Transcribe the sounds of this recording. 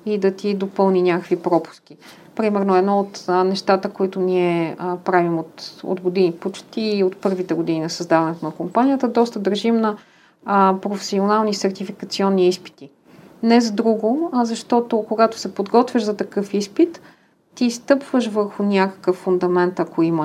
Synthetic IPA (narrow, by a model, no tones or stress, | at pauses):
id̪ɐt̪id̪opɤlˠninʲakəkvipɾɔpu̥sk̟i | pɾimɛɾnoɛd̪nɔot̪nɛʃt̪at̪əkoit̪ʊniɛpɾavimot̪o̰d̪ɡod̪inipot͡ʃt̪iːot̪pɤɾvit̪ɛɡod̪ininɐsɐzd̪avɐnɛt̪oʊnɐkompanijət̪əd̪ɔst̪əd̪ɐɾʒimnɐ | pɾofɛ̥sionalˠnisɛɾt̪ifikɐt̪siɔnːiispi̥t̪i | nɛzɐd̪ɾuɡozɐʃt̪ɔt̪okoɡat̪o̥sɛpod̪ɡɔt̪vʲəʃzɐt̪ɐkɤfispit̪ː | ist̪ɤpvəʃvɤɾxʊnʲakə̥kəfːund̪ɐmɛnt̪ɐkoimə